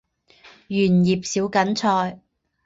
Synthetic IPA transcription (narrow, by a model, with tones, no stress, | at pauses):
jyː˨˩njiː˨p̚siː˨˥wkɐ˨˥nt͡ʃʰɔː˧j